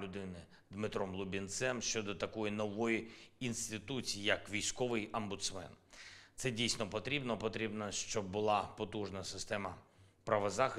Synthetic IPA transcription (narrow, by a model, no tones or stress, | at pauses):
lʲʊd̪ɪnɪ | d̪mɪt̪ɾɔmlˠʊbʲint̪sɛmʃt͡ʃɔd̪ɔt̪ɐkɔjinɔʋɔjiinst̪ɪt̪ut͡sʲijijɐkʋʲijsʲkɔʋɪjɐmbʊt̪smɛ̰nt̪sɛdʲijsʲnɔpɔt̪ɾʲibnɔpɔt̪ɾʲibnɐʃt͡ʃɔb̚ːʊlˠɑpɔt̪uʒnɐsɪst̪ɛmɐpɾɐʋɐzɑxɪ